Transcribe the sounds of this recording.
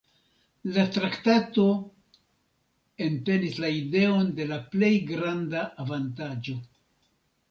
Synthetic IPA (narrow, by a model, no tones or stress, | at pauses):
latɾaktato̞ | e̞nte̞nislaide̞o̞nde̞laple̞jɡɾandaʔːvantad͡ʒo̞